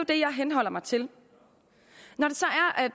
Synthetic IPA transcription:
od̥e̝jɑ̈ɪɦenɦɒ̽l̰ɐmɑ̈ɪt͡sʰe̝l | nɒɾ̥e̝sɒ̽æɐʔæd̥

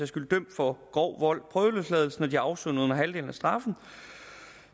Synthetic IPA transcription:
jɑ̈sɡ̥uləd̥øm̰̥fɒ̽ɡ̥ɒʊ̰ʋɒl̰pʰʁœːðˠəløːslɛːð̞ˠl̩sn̩ɒd̥iɑ̈ʊsønonɐɦæld̥e̝ːln̩æsd̥ʁɑ̈fn̩

